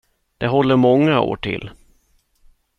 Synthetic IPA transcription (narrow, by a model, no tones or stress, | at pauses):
d̪̥ɛɦɔlːəɾmɔŋːao̰ːʈʰɪ̰lː